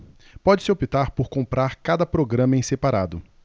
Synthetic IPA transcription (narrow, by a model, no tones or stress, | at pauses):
pɔd͡ʒɪ̥sɪopit̪aɾpoɾkõmpɾaɾkad̪ɐpɾoɡɾɐ̃mɐẽj̃sepaɾad̪ʊ